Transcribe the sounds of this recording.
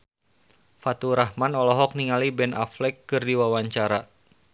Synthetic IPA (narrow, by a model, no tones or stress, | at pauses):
fat̪uɾahmanɔlɔɦɔk̚niŋalibɛna̰flɛkːɨrdiwawaɲt͡ʃaɾa